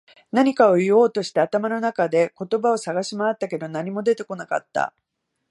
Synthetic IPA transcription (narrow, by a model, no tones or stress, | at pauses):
naɲ̟ikao̞io̞ːt̪o̞ɕi̥t̪aːt̪amano̞nakad̪e̞ko̞t̪o̞bao̞saɡaɕimaːt̪ːake̞d̪o̞naɲ̟imo̞d̪e̞t̪e̞ko̞naka̰t̪ːa̰